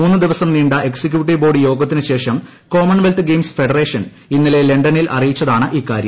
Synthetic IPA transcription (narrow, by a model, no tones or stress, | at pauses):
muːnːɨd̪iʋɐsɐmniːɳɖɐʔe̞ksek̬ʲjuːʈ̬ːiʋbo̞ːɽijo̞ːɡɐt̪ːinɨɕe̞ːʂɐm | ko̞ːmɐɳʋelt̪ɨɡeːmsfe̞ɖɐre̞ːʂɐn | inːile̞le̞ɳɖɐnilʔɐ̰rijit͡ɕːɐðaːɳɨʔiːkːa̰ːɾjɐm